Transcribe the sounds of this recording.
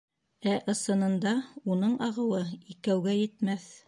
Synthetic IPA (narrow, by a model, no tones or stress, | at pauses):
æʔɤ̆sɤ̆nɤ̆nd̪ɑunɤɴɑʁɤ̆wɤikæwɡæjɘ̆t̪mæθ